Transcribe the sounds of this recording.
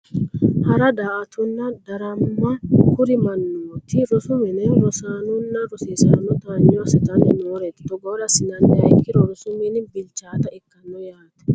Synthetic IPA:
hɐɾɐd̪aːʔɐt̪ʊnːɐd̪ɐɾɐmːɐkʊɾɪmɐnːoːt̪ʰɪɾɔsʊmɛnɛnɾɔsaːnʊnːɐɾɔseːsa̰ːnːɔt̪aːɲːɔwɐsɛt̪ɐnɛnoːɾɛt̪t̪ɔɡɔɾɐsɪnɐnːɛɐjkːɪɾɔɾɔsʊmɛnbɪlt͡ʃːaːt̪ɐɪkːɐnːɔjaːt̪ɛ̥

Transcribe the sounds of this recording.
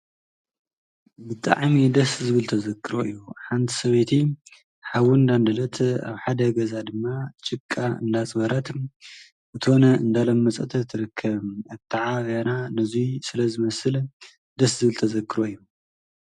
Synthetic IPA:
bɨt̪ʼa̰ʕmid̪ɐszɨβɨlt̪ʰɐzɐkʰːɨɾoḭjːuħant̪ʰi̥sɐβet̪ʰi | ħawund̪and̪ɐlɐt̪a̰βħad̪ɐɡɐzad̪ɨmːat͡ʃʼɨkʼːaɨ̰nd̪at͡sʼβɐɾat̪ | bɨt̪ʰonɐɨnd̪alɐmːɐt͡sʼɐt̪ʰɐt̪ʰːɨɾɨkʰːɐβaβt̪ʰaʕaβananɨzusɨlɐzɨmɐsɨl | d̪ɐszɨβɨlt̪ʰɐzɐkʰːɨɾoijːu

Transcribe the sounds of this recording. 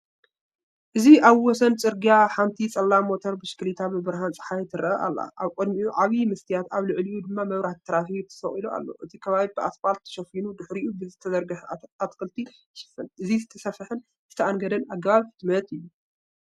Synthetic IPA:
ʔɨziʔaβwɔsɐnt͡sʼɨɾɡijaħant̪ʰit͡sʼɐlːamo̞t̪ʰoɾbɨʃklit̪ʰabɨbɨɾhant͡sʼɨ̥ħajt̪ʰɨɾɐʔɐʔa̰lːa̰ʔaβkʼod̪miʔuʕaβimɐst̪ʰijat̪aβlɨʕliud̪ɨmːamɐβɾaht̪ʰːɐɾafit̪ʰɐ̥sɐχʼilua̰lːo̞̰ʔɨt̪ʰikʰɐβaβibɨʔasfalt̪ʰːɐ̥ʃɐfinud̪ɨħɾiʔubɨzɨt̪ʰɐzɐɾɡɨħat̪kʰɨlt̪ʰi | ʃɨ̥fɨnʔɨzizɨt̪ʰɐsɐfɨħɨn | z̥ɨt̪ʰɐʔanɡɐd̪ɐnaɡɐβaβfɨd̪mɐt̪ʰɨjːu

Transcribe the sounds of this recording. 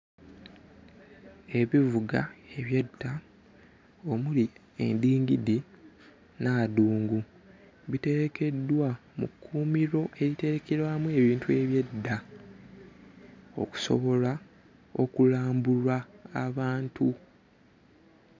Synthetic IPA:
e̞βivuɡa̰e̞βjetːa | o̞muli | e̞̰ndiːŋɡidi | naduːŋɡu | βite̞ɾe̞kʰe̞dːwamṵkʰːuːmiɾo̞ʔe̞ɾite̞ɾekeɾwamue̞βiːntue̞βje̞dːa | o̞̰ku̥so̞̰βo̞la | o̞kulaːmbulwaːβaːntu

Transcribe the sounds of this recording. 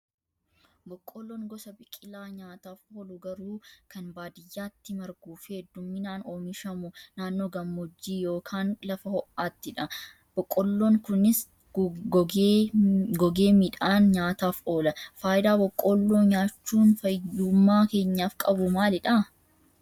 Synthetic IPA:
bɔkʼːɔlːoːŋɡɔsɐbɪkʼɪlaːɲaːt̪aːfoːlʊɡɐɾuːkɐnbaːd̪ɪjːaːt̪ːɪmɐɾɡuːfhɛd̪ːʊmːɪnaːnoːmɪʃɐmʊnaːnːoːɡɐmːɔd͡ʒːiːjo̞ːkʰaːnlɐfɐhɔʔːaːt̪ːɪᶑɐ | b̥ɔkʼːɔlːoːŋkʊnɪs | ɡɔɡe̞ːmɪᶑaːnɲaːt̪aːfʔo̞ːlɐfaːjɪd̪aːbɔkʼːɔlːoːɲaːt͡ʃːuːnfɐjd̪uːmːaːke̞ːɲːaːfkʼɐbʊmaːlɪᶑɐ

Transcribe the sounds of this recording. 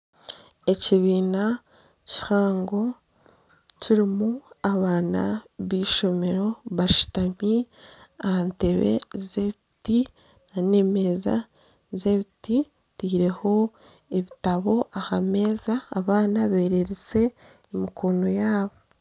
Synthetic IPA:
e̞ciβiːna | ci̥haːŋɡo̞ | ciɾimuaβaːna̰βiːʃo̞me̞ɾo̞βaʃu̥tamiaante̞βe̞̰zeβiti | ane̞me̞ːza̰ | ze̞βiti | tiːɾe̞ho̞ | eβitaβo̞ahame̞ːzaːβaːnaβe̞ːɾe̞ɾet͡se̞ː | mikʰono̞jaːβo

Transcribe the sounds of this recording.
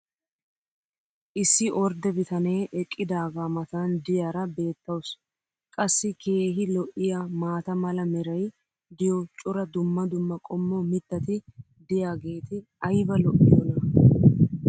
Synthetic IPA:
ʔɪsːɪʔɔɾd̪ɛbɪt̪ɐne̞ːʔɛkʼːɪd̪aːɡaːmɐt̪and̪ɪjaːɾɐbe̞ːt̪ːɐws | kʼɐsːɪkʰe̞ːɦɪlɔʔɪjamaːt̪ɐmɐlɐmɛɾɐj | d̪ɪjɔt͡ʃʼʊɾɐd̪ʊmːɐd̪ʊmːɐkʼɔmːɔmɪt̪ːɐt̪ɪ | d̪ɪjaːɡe̞ːt̪ɪ | ɐjbɐlɔʔːɪjɔnɐ

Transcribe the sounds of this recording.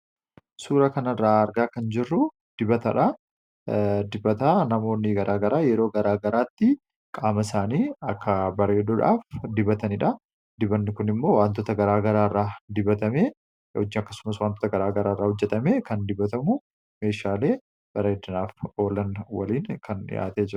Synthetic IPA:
suːɾɐkɐnɐrːaːɐɾɡaːkɐnd͡ʒɪrːʊ | d̪̥ɪbɐt̪ɐᶑɐ | d̪ɪbɐt̪aːnɐmo̞ːnːɪɡɐɾʔaːɡɐɾaːjɛɾoːɡɐɾaːɡɐɾaːt̪ːɪ | kʼaːmɐsaːniːɐkːɐbɐɾe̞ːd̪ɔᶑa̰ːfd̪ɪbɐt̪ɐnɪᶑɐ | d̪ɪbɐnːɪkʊnɪmːo̞ːwaːnt̪ɔt̪ɐɡɐɾaːɡɐɾaːɪrːaːd̪ɪbɐt̪ɐmeː | ɔ̰d͡ʒɪɐkːɐsʊ̥mɐswaːnt̪ot̪ɐɡɐɾaːɡɐɾaːɪrːaːhɔd͡ʒːɛt̪ɐmeːkɐnd̪ɪbɐt̪ɐmʊ | me̞ːʃaːle̞ː | b̥ɐɾeːd̪ɐnaːfo̞ːlɐnwɐ̰liːnkʰɐnɪ̰ja̰ːt̪eːd͡ʒɪɾɐ

